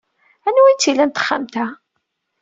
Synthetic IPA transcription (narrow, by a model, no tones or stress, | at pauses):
ænwint͡s̪ːilænt̪ə̥χːamt̪æ